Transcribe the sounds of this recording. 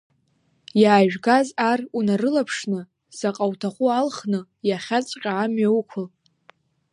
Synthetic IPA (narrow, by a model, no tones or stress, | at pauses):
jaːʒᶣɡazarunarɨlapʰʂnɨ | saqʼawtʰaχʷualχnɨ | jaχʲat͡sʷʼqʲʼaamɥawkʷʰʊl